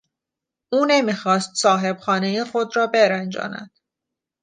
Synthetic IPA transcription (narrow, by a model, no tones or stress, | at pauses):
uːne̞miːxɒːst̪sɒːɦe̞bxɒːne̞jexo̞d̪ɾɒːbe̞ɾænd͡ʒɒ̰ːnæ̰d̪̥